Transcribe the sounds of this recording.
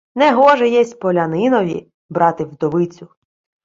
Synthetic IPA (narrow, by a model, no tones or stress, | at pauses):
nɛɦɔʒɛjɛsʲpɔlʲɐnɪnɔʋʲḭ | bɾɑt̪ɪwd̪ɔʋɪt͡sʲʊ